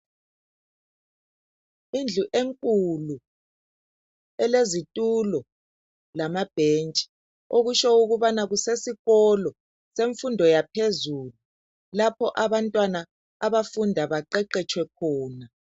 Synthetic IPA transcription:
ind͡ɮʱuʔeŋkʼulu | ɛlezitʼulɔ | lamab̥ʱent͡ʃʼi̥ | oɣuʃɔuɣuβanaɣusesiɣɔlɔ | seɱfundʱɔjapʰezuːlu | lapʰɔʔaβantʼwana | aβafundʱaβaǃɛǃɛt͡ʃʼʰwɛkʰɔːna

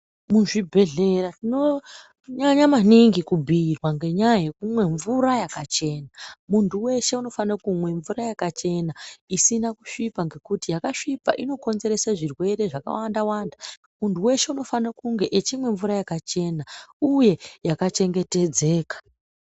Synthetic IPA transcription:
muʐibʱe̞ɮe̞ɾatino̞ | ɲaɲamaniŋɡikubʱiːrwaŋɡe̞ɲajajekumwe̞ɱvuɾajakat͡ʃe̞ːnamuntʰuwe̞ʃe̞uno̞fanakumwe̞ɱvuɾajakat͡ʃe̞naisinakuʂipaŋɡe̞kutijakaʂipa̰ʔino̞ko̞nze̞ɾe̞saʐirwe̞ɾe̞ʐaka̰wandawaːnda | muntuwe̞ʃe̞uno̞fanakuŋɡe̞ʔet͡ʃimwe̞ɱvuɾajakat͡ʃe̞nauje̞jakat͡ʃe̞ŋɡe̞te̞d͡ze̞ːkḁ

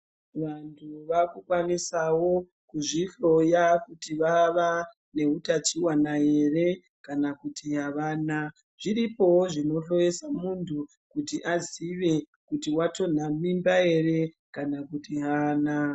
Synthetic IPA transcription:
ʋantʰuʋakukwanisawo̞ | kuʐiɬo̞jakutiʋaʋa | ne̞utat͡ʃiwanaje̞re̞ | kanakutʰiɦaʋaːna | ʐ̥iripo̞woʐino̞ɬo̞jesamuntʰu | kutiʔaziʋe̞ | kutiwato̞n̤amimbae̞re̞ | kanakutiɦaːna

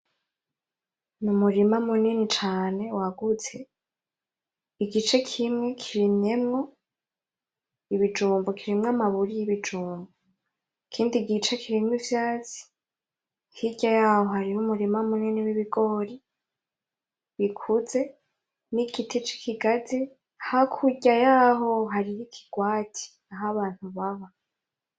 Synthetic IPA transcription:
numuɾimamuninit͡ʃaːne̞waɡut͡se | iɡit͡ʃe̞kʰimŋe̞kʰiɾimɲe̞mŋo̞ | iβid͡ʒuːmbokʰiɾimŋamaβuɾijiβid͡ʒuːmbo | ikʰiːndiɡit͡ʃakʰiɾimwivjaːt͡si̥ | hiɟ̥ajaːho̞haɾihumuɾimamuniniwiβiɡoːɾi | βikʰuze̞ | nikitit͡ʃi̥kʰiɡazi | hakʰuɟajaːɦo̞ɦaɾijikʰi̥ɡ̥waːtʰi̥ | aɦaβaːn̥huβaβa

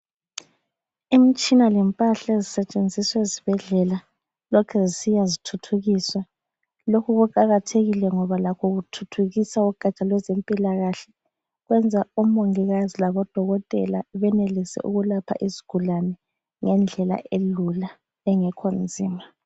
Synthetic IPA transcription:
imit͡ʃʼinalɛmpʼaɬaezisɛt͡ʃʼend͡zʱiswɛzib̥ʱɛɮɛla | lɔkʰɛzisijazitʰutʰuɣiswɛ | lokʰuɣuǃaɣatʰeɣilɛŋɔβalakʰɔɣutʰutʰuɣisauɡ̥ʱat͡ʃʼalwɛzempʼilaɣaɬɛ | ɣwɛnd͡zʱaum̩oŋiɣazilaβɔd̥ʱɔɣɔtʼɛ̰laβɛnelisɛ̰ʔuɣulapʰa̰ʔiziɡ̥ʱulanɛ | ŋɛnd͡ɮʱɛla̰ʔelula | ɛŋɛkʰond͡zʱiːma

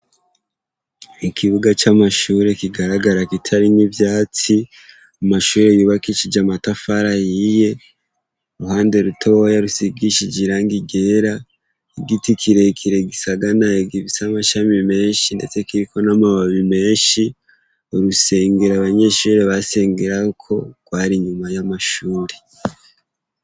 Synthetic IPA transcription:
ikʰiβuɡat͡ʃamaʃuːɾe̞kiɡaɾaɡaɾakitʰaɾinivjaːt͡si | amaʃuːɾe̞juːβakit͡ʃid͡ʒamatafaɾajije̞ | ɾuhaːnde̞ɾutʰowajaɾusiɡiʃid͡ʒiɾaːŋɡiɡe̞ːɾa | eɡitikʰiɾe̞kʰiɾe̞ɡisaɡanaeɡiβisamaʃamime̞ːnʃinde̞t͡se̞kiɾiko̞namaβaβime̞ːnʃi | oɾuse̞ːŋɡeɾaβaɲe̞ʃuːɾe̞βase̞ːŋɡeɾakʰo̞ɡ̥waːɾiɲumajamaʃuːɾe̞

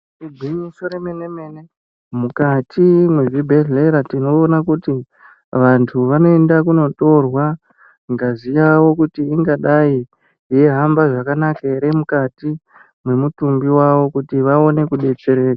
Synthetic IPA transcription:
ibʱwiɲiso̞ɾemene̞me̞ne | mukatʰimweʐibʱeɮleɾatino̞ːnakuti | ʋantʰuʋano̞e̞ndak̬uno̞to̞rwa | ŋɡazijawo̞kutiːŋɡaɗaiː | je̞ɦambaʐakanakaeɾemukati | mwe̞mutumbiwaʋo̞kutiʋao̞ne̞kuɗe̞t͡ʃe̞ɾe̞ːka

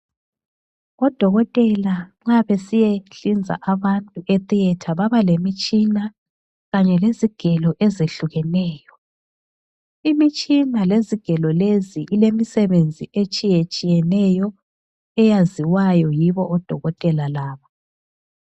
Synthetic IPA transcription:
ɔd̥ʱɔɣɔtʼɛlaŋ͡ǁaβesijeɬind͡zʱa̰ʔaβantʼuʔet̪ʼiɛtʰaβaβalemit͡ʃʼina | ɣaɲɛleziɡ̥ʱɛlɔʔezeɬuɣɛnɛːjɔ | imit͡ʃʼinaleziɡ̥ʱɛlɔleziʔilemisɛβend͡zʱiet͡ʃʼijet͡ʃʼijɛnɛjɔ | ɛjaziwajɔjiβɔːd̥ʱɔɣɔtʼɛlalaːβa

